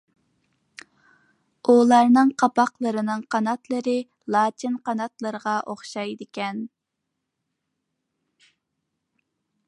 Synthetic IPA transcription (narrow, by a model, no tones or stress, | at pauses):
ulˠɑɾnɨŋqʰɑpɑqlˠəɾɨnɨŋqʰɑnɑt̪lˠəɾɨ | lˠɑːt͡ʃ̪ʰinqɑnɑt̪lˠəɾəʁɑʔoχʃɑjd̪ɪkʲɛn